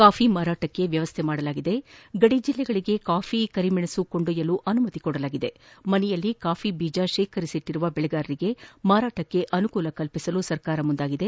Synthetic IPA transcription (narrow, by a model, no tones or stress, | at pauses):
kaːfʰimaːɾaːʈɐkːe̞ʋjɐʋɐst̪ʰemaːɽɐlaːɡid̪e̞ɡɐɽid͡ʒilːɛɡɐɭiɡe̞kaːfʰikɐɾimiɳesuko̞ɳɖujɐluʔɐnumɐt̪ikɔɽɐlaːɡid̪e̞mɐnɛjɐlːikaːfʰibiːd͡ʒaʃeːkʰɐɾisiʈ̪ːiɾuʋɐbɛɭɛɡaːɾɐɾiɡe̞maːɾaːʈɐkːe̞ʔɐnukuːlɐkɐlpisɐlusɐɾkaːɾɐmund̪aːɡid̪e̞